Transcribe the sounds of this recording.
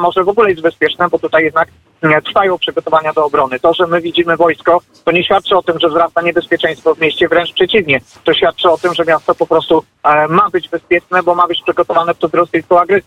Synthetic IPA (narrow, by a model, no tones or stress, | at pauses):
mɔʐɛvɔɡulɛjezd͡ʑbɛspʲjɛt͡ʂnɛbɔt̪ut̪ajɛd̪nak | t̪ɾfajɔ̃w̃pʂɘɡɔt̪ɔvaɲad̪ɔːbɾɔnɘt̪ɔʐɛmɘvʲid͡ʑimɘvɔjskɔ | t̪ɔɲɛɕfʲjat̪̚t͡ʂɘɔt̪ɘmʐɛvzɾassaɲɛbɛspʲjɛt͡ʂɛ̃j̃st̪fɔvmʲjeɕt͡ɕɛvɾɛnt͡ʂpʂɛt͡ɕivɲɛ | t̪ɔɕfʲjat̪̚t͡ʂɘɔt̪ɘmʐɛmʲjast̪ɔpɔpɾɔst̪u | mabɘd͡ʑbɛspʲjɛt͡ʂnɛbɔmabɘt͡ɕpʂɘɡɔt̪ɔvanɛft̪ɔd̪ɾɔsʲɛjskɔwaɡɾɛs